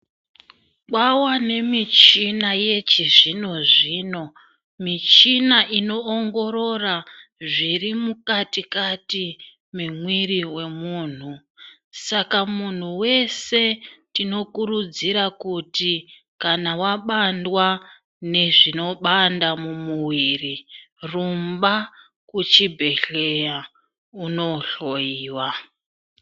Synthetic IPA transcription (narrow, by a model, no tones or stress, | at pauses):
ɓwawane̞mit͡ʃinaje̞t͡ʃiʐino̞ʐiːno̞ | mit͡ʃinaʔino̞ːŋɡo̞ɾo̞raʐirimukatikati | memwiriwe̞muːn̤u | sakamun̤uwe̞se̞tino̞kuɾud͡ziɾakuti | kanawaɓandwa | ne̞ʐino̞ɓandamumuwiri | rumba | kut͡ʃibʱe̞ɬe̞ja | uno̞ɬo̞jiːwa